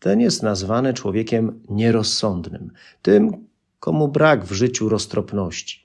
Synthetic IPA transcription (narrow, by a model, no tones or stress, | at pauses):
t̪ɛnjɛst̪nazvanɛt͡ʂwɔvʲjɛkʲɛmɲɛɾɔsːɔnd̪nɘ̰m | t̪ɘm | kɔmubɾaɡvʐɘt͡ɕuɾɔst̪ɾɔpnɔɕt͡ɕi̥